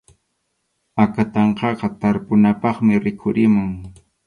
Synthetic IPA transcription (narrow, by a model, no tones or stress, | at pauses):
akat̪ɑɴqɑqɑt̪aɾpʊnapɑχmɪɾɪkʰʊɾɪmʊŋ